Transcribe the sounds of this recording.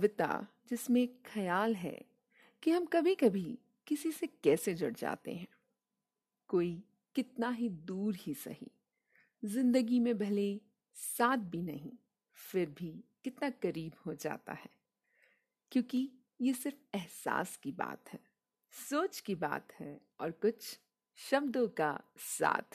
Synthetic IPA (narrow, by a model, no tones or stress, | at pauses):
ʋɪt̪a̰ | d͡ʒɪsmẽkxɐjaːlɦɛ̰ | kiɦɐmkɐbʱikɐbʱi | kɪsisekɛːsed͡ʒʊɽd͡ʒa̰ːt̪ḛɦɛ̰̃ː | koːi | kɪt̪naɦid̪uːɾhisɐ̰ɦḭ | zɪ̃nd̪əɡimẽbʱɐle | saːt̪̚bʱinɐ̰ɦĩ | fɪɾbʱikɪt̪nakɐɾiːbhod͡ʒa̰ːt̪a̰ɦɛː | kjõːki | jesɪɾfɛɦsa̰ːskiba̰ːt̪ɦɛː | soːt͡ʃkiba̰ːt̪hɛ | ɔːɾkʊt͡ʃʰ | ʃɐb̚d̪õka̰sa̰ːt̪